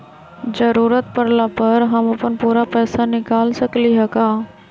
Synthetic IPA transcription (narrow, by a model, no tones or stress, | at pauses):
d͡ʒəɾuːɾət̪̚pəɾlapɐɾɦɐmɐpənpuːɾapɛːsanɪkaːlsəkliɦɛkaː